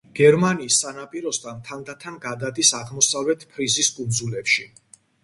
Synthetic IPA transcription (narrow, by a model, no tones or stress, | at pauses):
ɡ̥ɛɾmaniːsːanapʼiɾɔst̪ʰant̪ʰand̪at̪ʰanɡad̪ad̪isaʁmɔsavlɛt̪ʰpʰɾiziskʼund̪zulɛpʃi